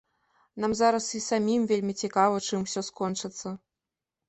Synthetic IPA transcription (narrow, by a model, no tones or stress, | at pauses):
namzaɾɐsisamʲimvʲelʲmʲit͡sʲikavɐt͡ʂɨmwsʲɔskɔnt͡ʂɨt̪sːɐ